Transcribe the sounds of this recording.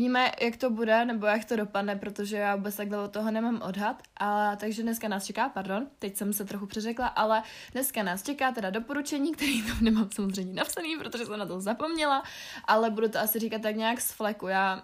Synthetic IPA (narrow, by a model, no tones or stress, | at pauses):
viːmɛjʔakt̪o̞budɛnɛbo̞jakt̪odo̞padnɛpɾo̞t̪oʒɛjaːvuːbɛtt͡st̪aɡlɛot̪ːoɦonɛmaːmʔodɦat̪ʔat̪aɡʒɛdnɛskanaːst͡ʃɛkaːpaɾdo̞nt̪ɛcsɛmsɛt̪ɾoxupr̥ɛrɛklaʔalɛ | dnɛskanaːst͡ʃɛkaːt̪ɛdado̞po̞ɾut͡ʃɛɲiːk̚t̪ɛɾiːt̪amnɛmaːmsamozr̝ɛjɲɛnapsaniːpɾot̪o̞ʒɛsɛmnat̪ozapo̞mɲɛlaʔalɛbudut̪oasɪriːkat̪ːakɲaaksflɛkujaː